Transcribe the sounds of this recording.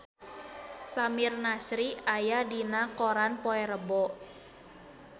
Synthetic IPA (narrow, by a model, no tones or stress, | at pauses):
samirnasɾiajadinakoɾanpɔɛɾəbɔ